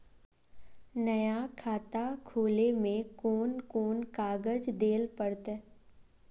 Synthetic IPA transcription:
nəjakʰaːt̪akʰoːlemẽkoːnkoːnkaːɡəd͡ʒd̪eːlpəɽt̪ɛ

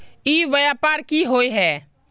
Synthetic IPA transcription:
iʋəjapaːɾkiɦoːjɦɛː

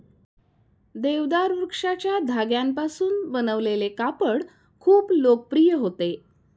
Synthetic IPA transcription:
d̪eʋd̪aɾuɾkʂat͡ɕjad̪ʱaɡjampasuːnbənəʋlelekapəɽ | kʰuːplok̚pɾijəɦot̪e

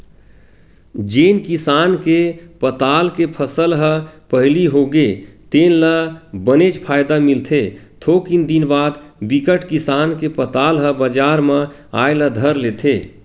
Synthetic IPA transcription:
d͡ʒeːnkisaːnkepət̪aːlkepʰəsəlɦəpəɦliɦoɡet̪enləbənet͡ʃpʰaːjd̪amilt̪ʰet̪ʰokind̪inbaːd̪bikəʈkisaːnkepət̪aːlɦəbəd͡ʒaːɾmə | a̰jləd̪ʱəɾlet̪ʰe

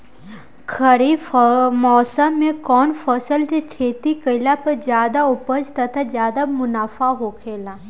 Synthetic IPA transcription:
kʰəɾimɔːsəmːẽkɔːnfəsəlt̪it̪ʰeːt̪ikəɪlapɐɾd͡ʒjaːd̪aʊpəd͡ʒt̪ɐt̪ʰazjaːd̪amʊnaːfaɦoːkʰeːlaː

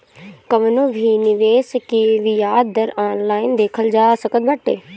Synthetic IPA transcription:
kəʋənõːbʱiːnɪʋeːskiʋijaːd̪əɾaːnlaːind̪eːkʰəld͡ʒaːsəkət̪̚bəʈːḛː

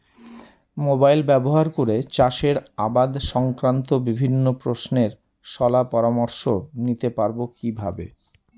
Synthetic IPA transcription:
mobajlbɛboɦaɾkoɾet͡ɕaʃeɾabad̪ʃɔŋkɾant̪obibʱinːopɾosneɾ | ʃɔlapɔɾamoɾʃonit̪epaɾbokibʱa̰bḛ

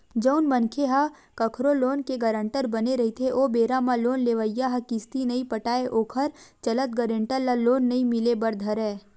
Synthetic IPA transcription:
d͡ʒəʊnmɐnkʰeɦa | kɐkʰɾoloːnkeɡɐɾə̃ɳʈəɾbɐneɾɐɦit̪ʰeʔoːbeːɾamãloːnleːʋəjːaɦɐkɪst̪inɐĩpɐʈaːeʔoːkʰəɾt͡ʃɐlət̪̚ɡɐɾẽɳʈəllaloːnːɐɦĩmɪlebɐɾd̪ʱɐɾɛː

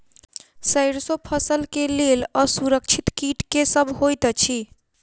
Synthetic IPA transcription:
səjɾsopʰəsəlkeleləsuɾək̚t͡ʃʰit̪kiʈkesəbʱɦojt̪t͡ʃʰi

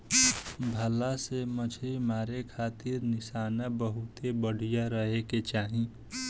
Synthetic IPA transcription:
bʱəlasemət͡ʃʰɾimaːɾekʰaːt̪ɪɾnɪsaːnabəɦut̪ebəɽ̤ʱijaɾəɦeket͡ʃaːɦĩ

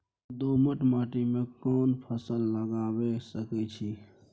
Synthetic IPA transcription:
d̪oməʈmaːʈimẽkɔːnpʰəsəlːəɡaːwesəkɛt͡ʃʰi

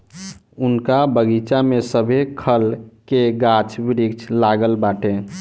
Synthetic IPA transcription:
ʊnkabəɡit͡ʃamesəbʱekʰəlkeɡat͡ʃbɪɾikt͡ʃʰlaɡəlbaːʈẽ

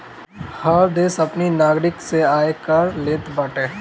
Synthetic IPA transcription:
hɐɾd̪eːsɐpninaːɡɾɪkseaːekəɾleːt̪baːʈeː

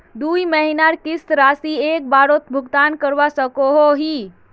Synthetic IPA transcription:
d̪uiməɦinaɾkisɾasiek̚baɾot̪bʱʊɡt̪ankəɾʋasəkoɦoɦi

